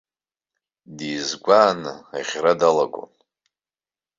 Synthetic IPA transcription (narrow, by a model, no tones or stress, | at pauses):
diːzɡʷaːnɨaʁʲradalaɡʷʼo̰n